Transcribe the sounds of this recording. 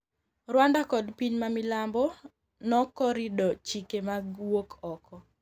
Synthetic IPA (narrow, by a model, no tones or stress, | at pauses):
rwandakɔdpiɲmamɪlambɔ | nɔkɔɾidɔt͡ʃikemaɡwokʰɔkɔ